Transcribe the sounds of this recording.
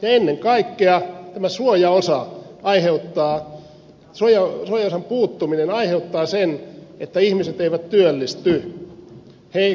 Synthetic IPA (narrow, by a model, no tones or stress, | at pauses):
jɑenːeŋkɑikːeɑt̪æmæsuojɑosɑɑiheut̪ːɑː | suojɑsuojɑosɑmpuːt̪ːuminenɑiheut̪ːɑːsenet̪ːæihmiset̪eiʋæt̪t̪yølːist̪y | hei